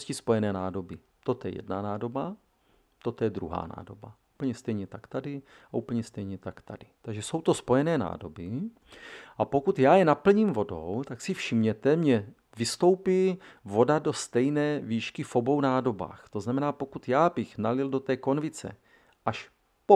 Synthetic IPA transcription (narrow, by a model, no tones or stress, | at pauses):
scɪspo̞jɛnɛːnaːdo̞bɪ | t̪ot̪jɛ̰jɛ̰dna̰naːdo̞ba | t̪ot̪ojɛd̪ɾuɦa̰ːna̰ːdo̞bauːpl̩ɲɛst̪ɛjɲɛt̪akt̪adɪ | aʔupl̩ɲɛst̪ɛjɲɛt̪akt̪a̰dɪt̪aɡʒɛso̞wt̪o̞spo̞jɛnɛːna̰ːdo̞bɪ | ʔapo̞kut̪jaːjɛnapl̩ɲiːmvo̞do̞̰wt̪aksɪfʃɪmɲɛt̪ɛmɲɛ | vɪst̪o̞wpɪvo̞dado̞st̪ɛjnɛːviːʃkɪfo̞bo̞wnaːdo̞ba̰ːxt̪o̞znamɛnaːpokut̪jaːbɪxnalɪldo̞t̪ɛːko̞nvɪt͡sɛ̰ | ʔaʃ | po